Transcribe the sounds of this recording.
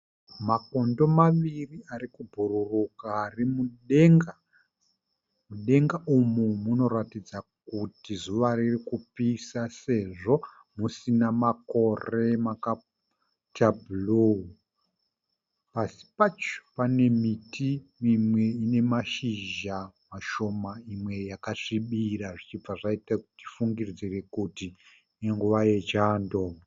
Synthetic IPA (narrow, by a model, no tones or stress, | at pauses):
mako̞ndo̞maʋiriaɾikubʱururukaːrimuɗeŋɡa | muɗe̞ŋɡaʔumumuno̞ɾatid͡zak̚utizuʋaɾirikupisase̞ʐo̞ | musinamako̞re̞maka | tabulu | pasi̥pat͡ʃo̥pane̞mitimimwe̞ine̞maʃiʒamaʃo̞maimwe̞jakaʂiɓiɾaʐit͡ʃib͡vaʐaitakuti̥fuŋɡird͡zire̞kuti | eŋɡuʋaje̞d͡ʒaːndo̞